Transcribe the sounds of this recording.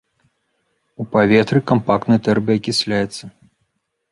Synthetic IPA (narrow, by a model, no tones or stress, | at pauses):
upavʲɛt̪ɾɨkampak̚t̪nɨjɐt̪ɛrbɐjɐkʲisʲlʲajɛt̪sːɐ